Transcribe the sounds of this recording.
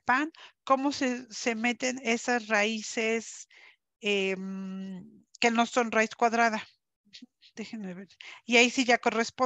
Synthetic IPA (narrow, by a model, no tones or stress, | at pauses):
paŋko̞mo̞sese̞me̞t̪e̞ne̞sasraise̞s | em | ke̞no̞so̞nraiskwaðɾaða | d̪̥exemeβeɾiaisiʝako̞re̞spo